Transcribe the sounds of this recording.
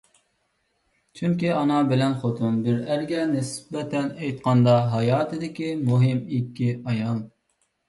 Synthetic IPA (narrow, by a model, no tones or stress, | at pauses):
t͡ʃʰyŋkʲiɑnɑbɪlɛnχot̪ʰunbɪɾæɾɡʲɛnɪsbɛt̪ʰɛnɛjt̪̚qɑnd̪ɑɦɑjɑːt̪ʰɨd̪ɪkʲimuɦɪmikʲʰːiɑjɑŋ